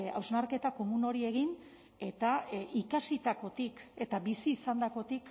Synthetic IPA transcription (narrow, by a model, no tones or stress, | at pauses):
a̰wznaɾke̞t̪ako̞muno̞ɾie̞ɣin | e̞t̪aikasit̪ako̞t̪ike̞t̪abisiːsand̪ako̞t̪ik